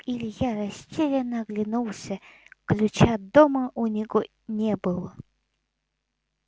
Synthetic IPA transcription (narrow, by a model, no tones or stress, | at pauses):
ilʲjaɾɐsʲtʲelʲɪnəɡlʲɪnulˠsʲəklʲʊt͡ɕad̪oməʔʊnʲɪɡo | nʲebɨlˠə